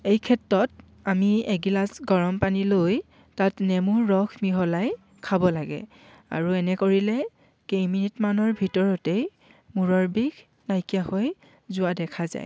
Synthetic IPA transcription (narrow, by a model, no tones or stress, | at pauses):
ejkʰɛtɹɔt | amieɡilasɡɔɹɔmpaniloj | tatnɛmuːɔxmiɦɔlaj | kʰabɔlaɡɛ̰ | a̰ɹuɛnɛkoɹilɛ | kejminitmanɔɹbʱitɔɹɔtej | muɹɔɹbiɡ | najkijahoj | zʊadɛkʰaza̰j